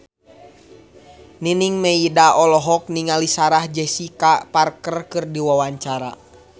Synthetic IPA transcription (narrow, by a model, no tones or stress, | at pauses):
niniŋmɛidaɔlɔɦɔk̚niŋalisaɾahd͡ʒɛsikaparkərkɨrdiwawaɲt͡ʃaɾa̰